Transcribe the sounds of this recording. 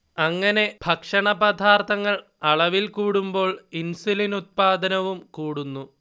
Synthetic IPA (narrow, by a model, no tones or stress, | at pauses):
ɐŋːɐne̞bʱɐkʂɐɳɐbɐd̪ʱaːrt̪ʰɐŋːɐɭ | ɐɭɐʋilkuːɽumbo̞ːɭinsulinut̪̚paːd̪ɐnɐʋumkuːɽunːu